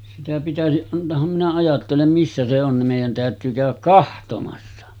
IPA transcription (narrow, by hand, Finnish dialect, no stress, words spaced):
sitæ pitæsiʔ ʔɑntˑoːhɑm minæ ɑjɑtːelem misːæ se on nim meˑijˑæn tæˑøtyː kæˑøʋæk kɑhtomɑsːɑ